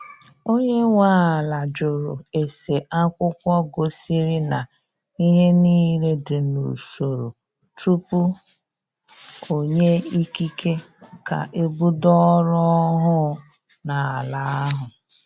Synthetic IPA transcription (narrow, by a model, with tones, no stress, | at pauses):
o˦ɲe˦ŋʷa˦a˨la˨d͡ʒo˨ɾo˨e˨se˨ʔa˦kʷʊ˦kʷɔ˦ɡo˨si˦ɾi˦na˨ | i˦ɦe˦niː˦ɾe˦dʊ˨nṵ˨so˨ɾo˨ | tʰu˦pu˦ | o˨ɲe˦i˦ki˦kʰe˦ka̰˨ʔe˦bu˦dɔ˦ɾɔ˦ɦʊ˦ | na˨a˨la˨a˦ɦʊ˨